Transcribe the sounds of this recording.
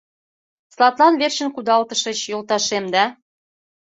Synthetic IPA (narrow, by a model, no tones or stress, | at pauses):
slɑt̪lˠɑnβerɕə̆nkud̪ɑlt̪əʃə̆t͡ɕjolt̪ɑʃemd̪æ